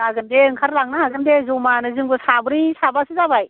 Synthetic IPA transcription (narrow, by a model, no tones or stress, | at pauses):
aɡɯndeɯŋkʰaɾlaŋ̚naɦaɡɯndezomanɯzɯŋbɯsabɯɾisabasizabaj